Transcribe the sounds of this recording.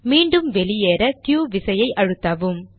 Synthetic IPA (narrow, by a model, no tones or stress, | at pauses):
miːɳɖɯmʋɛlijeːɾɐt̪juːʋɪsɐjɐɪʔɐɻɯt̪ːaːʋɯm